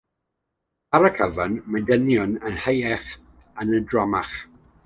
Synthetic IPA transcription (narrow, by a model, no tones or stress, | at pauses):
aɾəkʰəvənmadənjɔnənhəjɛχ | ənədrɔmaχ